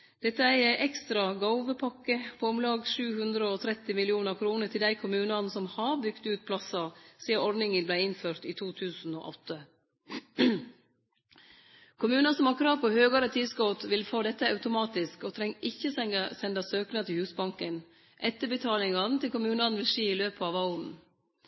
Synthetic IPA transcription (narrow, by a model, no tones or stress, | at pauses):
d̪̥ɛt̪ːəæɪɪʔɛkst̪ɾɑɡɑʊʋəpʰɑkːəpʰoːʊmlɑːɡʂʉːhʉnd̪ɾəɔt̪ʰɾɛt̪ːɪmɪlɪuːnəɾkʰɾuːnəʈʰɪld̪æɪkʰʊmʉːnɑnsɔmhɑɾbʏɡ̥t̪ʉːt̪̚pʰlɑsɑsiːɑɔɾɖ̪nɪŋənblæɪɪnføːɾt̪iːt̪ʰuːt̪ʰʉːsn̩o̰ːʔɔt̪ːə | kʰʊmʉːnɑsɔmhɑɾkʰɾɑːʋpɔhøːɡɑɾət̪ʰiːsɡɔt̪ʋɪlfoːd̪ɛt̪ːəɑʉt̪ʊmɑːt̪ɪskɔt̪ʰɾɛŋːʔɪçːəsɛnd̪ɑsøːknɑt̪ʰɪlhʉːsbɑŋkən | ʔɛt̪ːəbət̪ʰɑːlɪŋɑnt̪ʰɪlkʊmʉːnɑnʋɪlseːɪløːpəɑʋɑʊnn̩